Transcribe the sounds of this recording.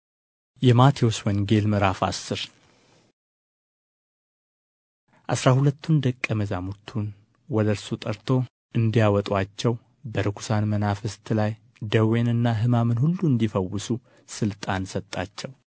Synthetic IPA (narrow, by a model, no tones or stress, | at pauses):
jɛmat̪ʰioswɔnɡe̞lmɨɾafa̰sːɨɾ | ʔa̰sɾahulət̪ːund̪əkʼːəməzamut̪ʰːun | wɔd̪əɾsut̪ʼəɾt̪ʰo̞ | ʔɨnd̪ijawɔt̪ʼwat͡ʃːɛw | bəɾɨkʰu̥sanmənafɨst̪ʰlaj | d̪əwenɨnːaɦɨmamɨnhulːuɨnd̪ifəwːɨsu | sɨlt̪ʼansət̪ʼːat͡ʃːɛw